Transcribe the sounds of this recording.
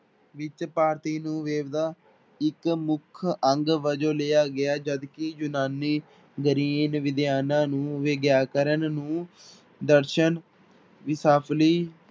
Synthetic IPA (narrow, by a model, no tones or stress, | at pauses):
ʋɪt͡ʃpaːɾt̪iːnũːʋeːʋd̪aː | ɪkmʊkʰəŋɡʋəd͡ʒõːleːaːɡɪaːd͡ʒəd̪kɪd͡ʒʊnaːniː | ɡəɾiːnʋɪd̪ɪjaːnãːnũːʋeːɡjaːkəɾənnũː | d̪əɾʃən | ʋɪsaːpʰliː